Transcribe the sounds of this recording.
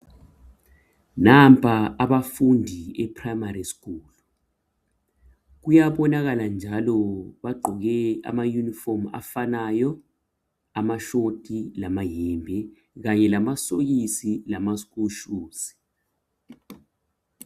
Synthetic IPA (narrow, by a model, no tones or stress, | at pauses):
nampʼʰaaɓafundʱiɛpʰrajmariskuːlu | k̬ujaɓɔnaɣ̬aland͡ʒʱalɔɓaɡ͡ǃʱɔɣɛa̰majunifɔma̰fanajɔ | amaʃotʰʼilamaɦɛmbʱɛ | ɣaɲɛlamasojisilamaskʼuʃuːsi̥